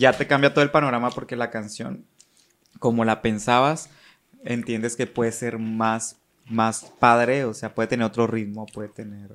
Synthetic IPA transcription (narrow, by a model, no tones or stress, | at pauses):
ʝat̪e̞kambjat̪oelpano̞ɣɾamapo̞ɾke̞lakansjo̞̰n | ko̞mo̞lape̞nsaβas | ḛnt̪je̞nd̪e̞ske̞pwe̞ðese̞ɾmas | maspaðɾe̞ose̞apweet̪eneɾot̪ɾo̞riðmo̞ːpwe̞ðet̪e̞ne̞ɾ